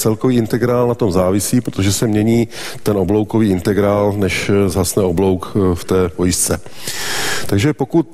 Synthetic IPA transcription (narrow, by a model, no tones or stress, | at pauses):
t͡sɛlkoviːɪnt̪ɛɡɾaːlnat̪o̞mzaːvɪsiːpɾot̪oʒɛsɛmɲɛɲiː | t̪ɛnʔoblo̞wkoviːɪnt̪ɛɡɾaːlnɛʃzasnɛoblo̞wkft̪ɛːpojɪst͡sɛ | t̪aɡʒɛpo̞kut̪